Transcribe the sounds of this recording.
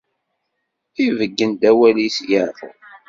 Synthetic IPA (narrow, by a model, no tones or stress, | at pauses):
ivəɡːənd̪æwælisjəʕtə̰